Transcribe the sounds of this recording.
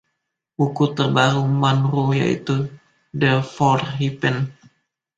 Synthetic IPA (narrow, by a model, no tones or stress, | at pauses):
bukut̪ərbaɾumanɾuja̰ḭt̪u | dəfɔrɦipən